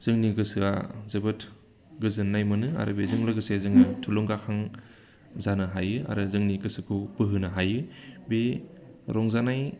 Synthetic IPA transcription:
zɯŋniɡɯsɯa̰zɯbɯtʰ | ɡɯzɯnːajmɯnɯa̰ɾɯ̰bezɯŋlɐɡɯsezɯŋnɯtʰulɔŋɡakʰaŋ | zanɯɦajɯa̰ɾɯzɯŋniɡɯsɯkʰubɯɦɯnɐɦajɯbeɾɔŋzanaj

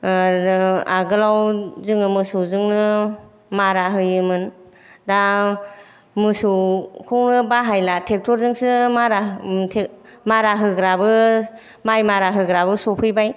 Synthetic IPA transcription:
aɡɯlawzɯŋɯmɯsuzɯŋnɯ | maɾaɦɯjɯmɯn | da | mɯsukʰɯwnɯbaɦajlatʰek̚tʰɔɾzɯŋsɯmaɾatʰemaɾaɦɯɡɾabɯ | majmaɾaɦɯɡɾabɯsɔpʰɯjbaj

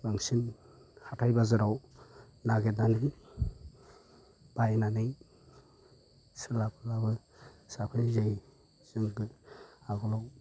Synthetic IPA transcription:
baŋsin | hatʰajbazɯɾaw | naɡet̚naniŋ | b̥ajnanɯŋ | sɯlapʰɯlabɯ | sapʰɯnzej | z̥ɯŋɡɯaɡɔlaw

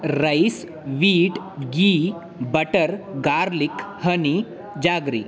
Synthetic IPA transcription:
ɾɐjs | ʋiːʈ | ɡiː | bɐʈəɾɡaːɾlikhəni | d͡ʒaːɡɾḭ

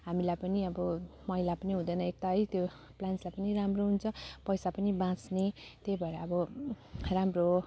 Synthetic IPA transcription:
ɦamilajpʌniʌbʌmʌɦilapʌniɦũd̪ʌjnʌek̚t̪aɦʌjt̪jo | planslajpʌniɾamroɦunt͡sʰʌpʌjsapʌnibãt͡snet̪ebʱʌeɾaːbʌ | ramro

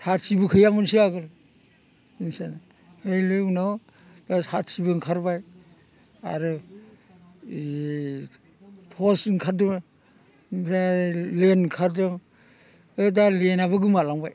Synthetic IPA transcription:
sʰatsibɯkʰɯjamɯnsiaɡɯl | insan | hɯjlenɔ | dasatsʰibɯŋkʰaɾbaj | a̰ɾɯ | tʰɔsŋkʰadɯŋ | pʰɾalenkʰaɾdɯŋ | ɯdalenaβɯɡɯmalaŋbaj

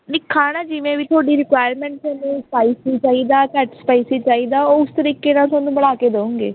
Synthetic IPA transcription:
nɪkʰːaːnaːd͡ʒɪʋẽːʋiːt̪ʰʊaːɖiːɾɪkʋaːjəɾmɛ̃ːɳʈsɛnũːspaːiːsit͡ʃaːiːd̪aːkɛːʈspaːisit͡ʃaːiːd̪aːoːʊst̪əɾiːkeːnãːt̪ʰaːnũːbəɽaːkeːd̪eũːŋɡeː

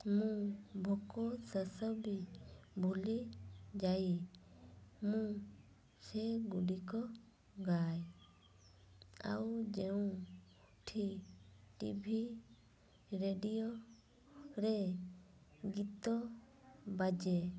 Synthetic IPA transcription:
mũbʱɔkɔsəsəbibʱulid͡ʒaji | mũ | sɛɡuɖikɔ | ɡaj | a̰wd͡ʒɛũ | ʈʰiʈḭbʱi | ɾeɖijɔ | ɾɛ | ɡit̪ɔ | bad͡ʒɛ

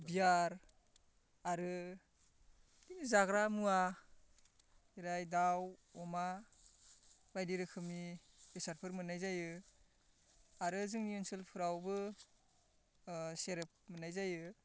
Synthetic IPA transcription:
bijaɾ | aɾɯ | dinizaɡɾamua | iɾajdawɔma | bajdiɾɯkʰɯmi | besaɾpʰɯɾmɯnajzajɯ | aɾɯzɯŋniɯnsɯlpʰɯɾawbɯ | seɾɯp̚mɯnajzajɯ

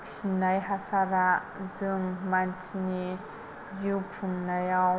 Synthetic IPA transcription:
ksinajɦasaɾaʔ | zɯŋmantʰini | ziwpʰuŋnajaw

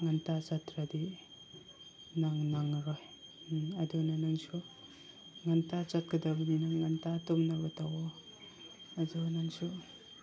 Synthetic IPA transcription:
ŋantat͡ʃatɾadi | naŋnaŋɾɔj | adunanaŋsu | ŋantat͡ʃat̚kadabdinaŋːantatɔmnabatawɔ | adɔnaŋsu

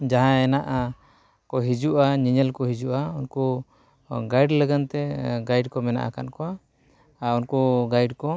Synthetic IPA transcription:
d͡ʒaɦãɛnaʔa | kɔɦid͡ʒuʔaɲiɲɛlkɔɦid͡ʒuʔaunku | ɡajɖləɡant̪ɛɡajɖkɔmɛna̰ʔa̰ka̰nkɔa | aunkuɡajɖkɔ

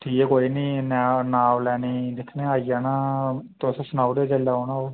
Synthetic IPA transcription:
ʈʰiːkɛːkoːiːnĩːnɛːnaːʋlɛːniːd̪ɪkʰneːaːijaːnãːt̪osẽsənaːud̪eːd͡ʒelːaːɦoːnãːoː

